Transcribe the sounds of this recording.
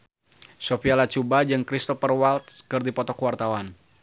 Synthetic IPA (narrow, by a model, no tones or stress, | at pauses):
sofialat͡ʃubad͡ʒɨŋkɾist̪ɔfərwalt̪̚kɨrdipɔt̪ɔkwart̪awan